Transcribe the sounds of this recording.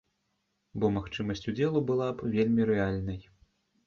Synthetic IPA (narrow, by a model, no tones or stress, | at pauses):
bɔmaxt͡ʂɨmɐsʲt͡sʲud͡zʲɛlˠubɨlˠabvʲelʲmʲiɾɛalʲnɐj